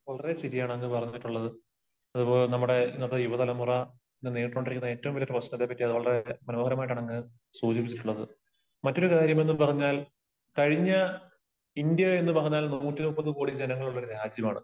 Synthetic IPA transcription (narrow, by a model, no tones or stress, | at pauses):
ʋɐɭɐre̞siɾijaːɳɨenːɨpɐrɐɲːiʈːuɭːɐðɨ | ɐðupo̞ːɭnɐmːuɽe̞inːɐt̪ːɨjuʋɐt̪ɐlɐmurɐ | enːɨniːʈroːɳɖirikːunːɐe̞ːtːɐʋumʋilɐɾprɐɕnɐt̪ːepːɐtːiɐðɨʋɐɭɐre̞mɐnoːhɐɾɐmaːjʈ̬ːaːɳɐŋːɨ | suːd͡ʑipːit͡ɕːiʈːuɭːɐðɨ̰ | mɐtːo̞ɾukaːɾjɐme̞nːɨpɐrɐɲːaːl | kɐɻiɲːɐ | ind̪jɐe̞nːɨpɐrɐɲːaːlnuːtːinuːpːɐðɨkoːɽid͡ʑenɐŋːɐɭuɭːoɾuɾaːd͡ʑjɐmaːɳɨ